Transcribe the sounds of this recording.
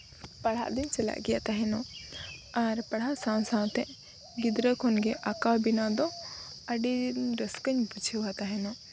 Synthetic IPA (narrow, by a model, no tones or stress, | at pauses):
pɐɽ̤a̰ʔd̪iɲt͡ʃɛla̰ʔɡɛja̰ʔt̪aɦɛnɔ | aɾpɐɽ̤aʔsãwsãt̪ɛ̃ʔ | ɡid̪ɾəkʰɔnɡɛʔakawbinad̪ɔ̃əɖiɾəskəɲbud͡ʒʰʱiwat̪aɦɛnɔ